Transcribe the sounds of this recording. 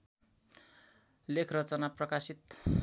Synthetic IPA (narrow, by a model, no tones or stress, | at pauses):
lekʰrʌt͡sʌnaprʌkasit̪